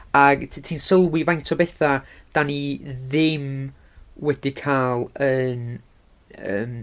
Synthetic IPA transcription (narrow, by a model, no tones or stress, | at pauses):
aɡʰtʰiːnsəlˠwɪvajntʰɔbɛθad̥aniðɪm | wɛd̥ikʰaːlˠən | ə̰ːm